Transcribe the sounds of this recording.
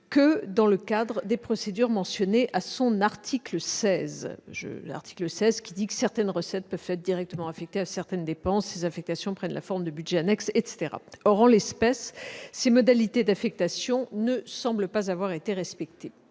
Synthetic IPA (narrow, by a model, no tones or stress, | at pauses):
kəd̪ɑ̃ləkad̪ʁəd̪epχɔsed̪yʁmɑ̃sjɔneʔasɔ̃naʁt̪ʰikləsɛzʒə̰a̰ʁt̪i̥kləsɛzkʲid̪ikə̥sɛʁt̪ɛnʁəsɛt̪̚pœv̥t̪ɛt̪χd̪iʁɛk̚t̪əmɑ̃afɛk̚t̪easɛʁt̪ɛnd̪epɑ̃sːezɛ̃fɛk̚t̪asjɔ̃pχɛnlʔa̰fɔʁmd̪əbydʒɛanɛksɛt̪se̥t̪eʁa̰ɔʁɑ̃lɛspɛsːemɔd̪alit̪ed̪afɛk̚t̪asjɔ̃nəsɑ̃bləpazavwaʁet̪eʁɛspɛk̚t̪e